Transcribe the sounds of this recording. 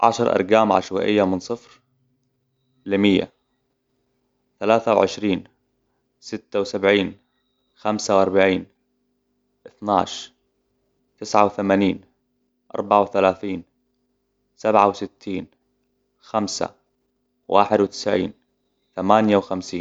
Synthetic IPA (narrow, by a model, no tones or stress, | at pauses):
ʕa̰ʃɑɾˤʔɑ̰ɾˤɡaːmʕa̰ʃwa̰ʔɪjːamɪnsˤɨfɾ | lɪmɪjːa̰ | θalaːθawʕɪʃɾiːn | sɪt̪ːawsabʕiːn | xamsawʔɑɾˤbaʕiːn | ʔɪθnaːʃ | t̪ɪsʕawθamaːniːn | ʔɑ̰ɾˤbaʕawθalaːθiːn | sabʕawsɪt̪ʰːiːn | xamsa̰ | wa̰ːħɪd̪wt̪ɪ̥sʕḭːn | θamaːnjawxamsiːn